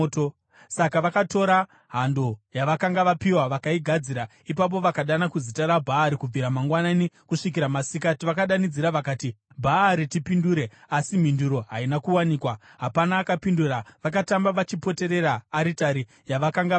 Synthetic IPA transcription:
sakaʋakato̞ɾa | ɦando̞jaʋakaŋɡaʋapiwaʋakaiɡʱad͡ziɾa | ipap̬o̞ʋakaɗanakuzitaɾabʱaːɾikub͡viɾamaŋɡwananikuʂik̬iɾamasik̬atiʋakaɗanid͡ziɾaʋakaːti | bʱaːɾitipinduːɾe̞ | asim̤induɾo̞ɦainakuwaniːkwaɦapanaːkapinduraʋakatambaʋat͡ʃipo̞te̞ɾe̞raːɾitaɾi | jaʋakaŋɡa

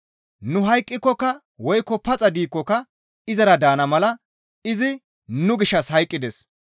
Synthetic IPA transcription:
nʊɦɐjkʼːɪkːɔkːɐ | wɔjkːɔpɐt͡sʼɐd̪iːkːɔkɐ | ɪzɐɾɐd̪aːnɐmɐlɐ | ɪzɪ | nʊɡɪʃːɐshɐjkʼːɪd̪ɛs

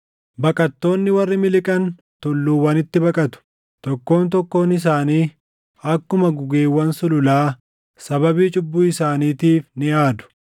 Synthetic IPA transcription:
bɐkʼɐt̪ːo̞ːnːɪwɐrːɪmɪlɪkʼɐn | t̪ʊlːuːwɐnɪt̪ːɪbɐkʼɐt̪ʊ̥ | t̪ɔkːo̞ːnt̪̬ɔkːo̞ːnɪs̬aːniː | ɐkːʊmɐɡʊɡeːwːɐnsʊlʊlaː | sɐbɐbiːt͡ʃʼʊbːuːɪsaːniːt̪iːfnɪʔaːd̪ʊ̥

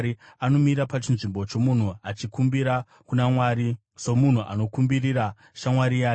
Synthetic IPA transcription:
ɾi | ano̞miɾapat͡ʃinʐimbo̞t͡ʃo̞mun̤uat͡ʃikumbiɾa | kunamwaːɾi | so̞mun̤uʔa̰no̞kumbiriɾa | ʃamwaɾijaː

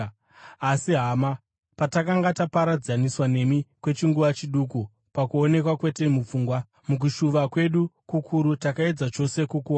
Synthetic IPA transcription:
asiɦaːma | patakaŋɡatapaɾad͡zaniswane̞mikwe̞t͡ʃiŋɡuʋat͡ʃiɗuku | pakuo̞ne̞kwakwe̞te̞mup͡fuːŋɡwa | muk̬uʃuʋakwe̞ɗukukʰuɾutakae̞d͡zat͡ʃo̞se̞kukuwa

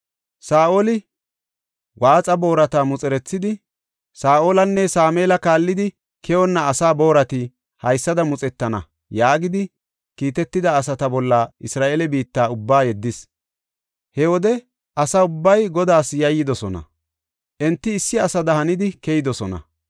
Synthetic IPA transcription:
saːʔolɪ | waːt͡sʼɐbo̞ːɾɐt̪amʊt͡sʼɛɾɛt͡sːɪd̪ɪ | saːʔoːlɐnːɛsaːmɛːlɐkaːlːɪd̪ɪ | kʰɛwɔnːɐːsaːbo̞ːɾɐt̪ɪ | hɐjsːɐd̪ɐmʊt͡sʼɛt̪ːɐnɐ̰ | jaːɡɪd̪ɪ | kiːt̪ɛt̪ːɪd̪ɐːsɐt̪ɐbɔlːɐɪsɾaːʔelɛbiːt̪ːaːʊbːaːjɛd̪ːɪs | hɛwɔd̪ɛ | ʔɐsaʊbːɐjɡɔd̪aːsjɐjːɪd̪ɔsɔnɐ̰ | ʔɛnt̪ːɪːsːɪɐsɐd̪ɐɦɐnɪd̪ɪkɛjɪd̪ɔsɔnɐ̰

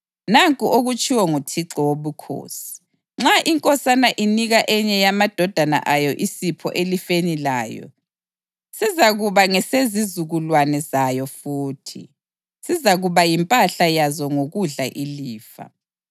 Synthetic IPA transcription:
naŋkʼuʔoɣut͡ʃʼiwɔŋutʰiǁɔwoβukʰo̰ːsi̥ | ŋ͡ǁaʔiŋkʼɔsanaʔiniɣaʔɛɲɛjamad̥ʱɔd̥ʱana̰ʔajɔʔisipʰɔ̰ʔelifenila̰ːjɔ̰ | sizaɣuβaŋɛsezizuɣulwanɛzajɔfuːtʰḭ | sizaɣuβajimpʼaɬajazɔŋoɣuɮaʔiliːfa̰

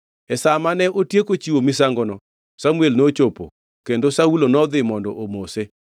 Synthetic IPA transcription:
ɛsamanɛʔotjekot͡ʃiwomisaŋɡɔnɔ | samuelnot͡ʃopo̰ | kendosaulonɔd̪ɪmɔndɔʔomose

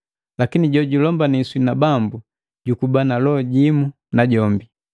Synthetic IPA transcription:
lakiniɟɔɟulɔmbaniswinabambu | ɟukubanalɔɟimu | naɟɔmbi

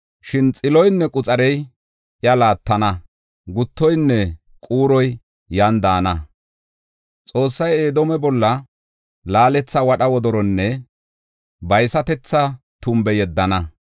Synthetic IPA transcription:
ʃɪnt͡sʼɪlɔjnːɛkʼʊt͡sʼɐɾɛj | ʔjɐlaːt̪ːɐnɐ | ɡʊt̪ːɔjnːɛ | kʼuːɾɔj | jand̪aːnɐ | t͡sʼo̞ːsːɐje̞ːd̪ɔmɛbɔlːɐ | laːlɛt͡sːɐwɐɗɐwɔd̪ɔɾɔnːɛ | bɐjsɐt̪ɛt͡sːɐ | t̪ʊmbɛjɛd̪ːɐnɐ

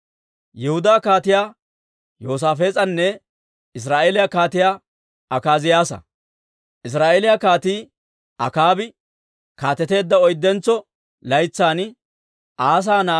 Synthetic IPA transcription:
jɛhʊd̪aːkaːt̪ɪjaː | jo̞ːs̬aːfe̞ːt͡sʼɐnːɛ | ɪs̬ɾaːʔeːlɪjakaːt̪ɪjaː | ɐkaːzɪjaːsɐ̰ | ʔɪs̬ɾaːʔeːlɪjakaːt̪iː | ɐkaːbɪ | kaːt̪ːɛt̪e̞ːd̪ːɐɔjd̪ːɛnt͡sːɔ | lɐjt͡sːaːn | ʔaːs̬aːnaː

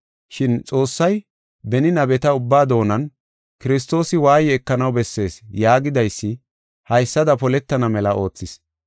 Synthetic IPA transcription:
ʃɪnt͡sʼo̞ːsːɐj | bɛnɪnɐbɛt̪ɐʊbːaːd̪o̞ːnɐn | kɪɾɪs̬t̪o̞ːsɪwaːjɛːkːɐnɐwbɛsːe̞ːsjaːɡɪd̪ɐjsːɪ | hɐjsːɐd̪ɐpɔlɛt̪ːɐnɐmɛlɐʔo̞ːt͡sːɪs

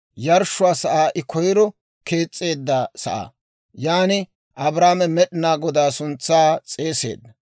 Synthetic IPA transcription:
jɐɾʃːʊwaːsɐʔaːʔɪkʰɔjɪɾɔ | ke̞ːt͡sʼːe̞ːd̪ːɐsɐ̰ʔa̰ː | jaːnɪ | ʔɐbɾaːmɛmɛɗɪnaːɡɔd̪aːsʊnt͡sːaːt͡sʼe̞ːse̞̰ːd̪ːɐ

